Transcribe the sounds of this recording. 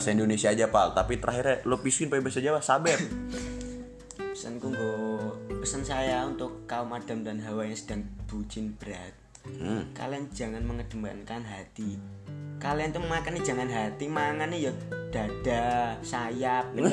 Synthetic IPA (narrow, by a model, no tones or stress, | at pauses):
saindonesiaːd͡ʒapa̰t̪apit̪əɾʔaɦiɾalopisuɪnpebɛsad͡ʒawasabɛr | pə̥sə̰nkuŋɡopəsənsajaunt̪ʊkːaʊmad̥a̤mdanɦawajaŋsə̥d̥aŋb̥ud͡ʒɪnb̥əɾat̪̚ | ka̰liand͡ʒaŋanməŋəd̥əma̰nkanɦat̪i | kaliant̪umakanːid͡ʒa̤ŋanɦat̪imaŋanijad̥ad̥asajap̚